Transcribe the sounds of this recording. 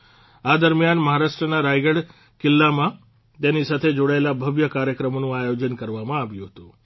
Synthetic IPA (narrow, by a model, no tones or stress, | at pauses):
ad̪əɾmjanməɦaɾaʂʈɾənaɾajɡəɽ | kilːamã | t̪janisat̪ʰed͡ʒoɽaelabʱəʋjəkaɾjəkɾəmonũajod͡ʑənkəɾʋamãːʋjũɦət̪ũ